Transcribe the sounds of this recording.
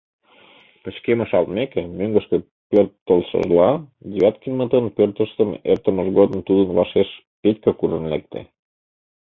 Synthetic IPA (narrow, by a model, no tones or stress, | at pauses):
pə̆t͡ɕkemə̆ʃɑlt̪mekemøŋɡəʃkĕ | pørt̪ːəlʃə̰ʒlɑd̪ʲeβʲɑt̪̚kinmət̪ənpørt̪əʃt̪əmḛrt̪əməʒɣod̪əmt̪ud̪ənβɑʃeʃ | pet̪ʲkəkuɾənlḛk̚t̪ḛ